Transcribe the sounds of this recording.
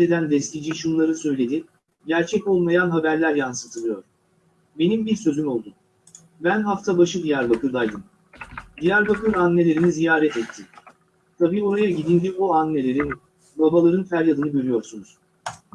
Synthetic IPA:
e̞d̪ænd̪ɛslʲid͡ʒiʃunlˠaɾɯsø̞jlʲe̞d̪i | ɟæɾt͡ʃʰɛcolˠmajanɦabæɾlʲæɾjansɯt̪ʰɯlˠɯjo̞ɾ̥ | be̞nimbiɾsø̞zymo̞lˠd̪u | bænɦaft̪ʰabaʃɯd̪ijæɾbakɯɾd̪ajd̪ɯm | d̪ijæɾbakɯɾanːe̞lʲe̞ɾinizijaːɾɛt̪ɛt̪ʰːi | t̪ʰabiːo̞ɾajaɟid̪ind̪ibuanːe̞lʲeɾin | babalˠaɾɯnfæɾjad̪ɯnɯbøɾʲyjo̞ɾsunuz̥

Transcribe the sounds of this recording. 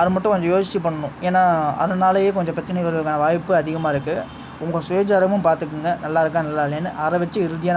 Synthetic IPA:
ɐðɯmɐʈːʊ̃kɔɲd͡ʒɔ̃joːsɪt͡ʃːipɐɳːɐnʊ̃eːnːaːɐ̰ðɯnaːlɐjeːk̬ɔɲd͡ʒɐ̃pɾɐt͡ʃːɪnɐɪʋɐɾɣɐɭɯkːaːnɐʋaːjpːɯɐðɪɣɐmaːɪɾɯkːɯ | ʊŋɡɐsʊjɐd͡ʒaːɾɐmɯmpaːɾt̪ɯk̬ːɯŋɡɐnɐlːaːɪɾɯkːãːnɐlːaːlenːɯʔɐɾɐʋɛt͡ʃːɯɪɾɯðɪjaːn

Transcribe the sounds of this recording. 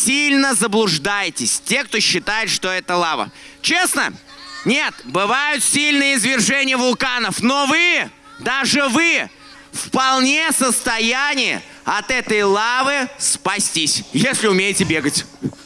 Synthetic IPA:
sʲilʲnəzəblˠʊʐd̪ajɪtʲɪsʲtʲekt̪oɕːɪt̪ajɪt̪ʂt̪oɛt̪əlˠavə̰t͡ɕe̞snə̰ | nʲe̞t̪bɨvajʊt̪sʲilʲnɨjəɪzvʲɪrʐɛnʲɪjəvʊlˠkanəfnovɨ | d̪aʐɨvɨ | fpɐlˠnʲesəst̪ɐjænʲɪjə̰ | ɐt̪ɛt̪əjlˠavɨspɐsʲtʲisʲjesʲlʲɪʊmʲejɪtʲɪbʲeɡətʲ

